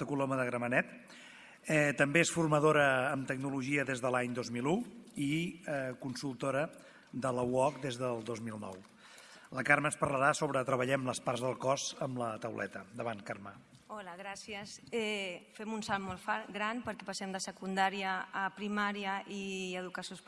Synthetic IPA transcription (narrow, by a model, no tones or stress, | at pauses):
t̪əkuloməðəɣɾəmənɛt̪ | ɛt̪əmbeesfurməðoɾəːmt̪əɡnuluʒiəðezðəlaɲd̪ozmiluikunsulˠt̪oɾə | d̪ələwɔkd̪ezðəlˠd̪ozmilˠnɔ̰w | ləkaɾmənspəɾləɾasoβɾət̪ɾəβəʎɛmləsparzðəlˠkɔzəmlət̪əwlʔɛ̰t̪əd̪əβankarmə | ɔlaɣɾasiəsɛfɛmunsalˠmolˠfaɡɾanpəɾkɛpasɛmd̪əsəkund̪aɾiəːpɾimaɾjəʔiəðukəsjos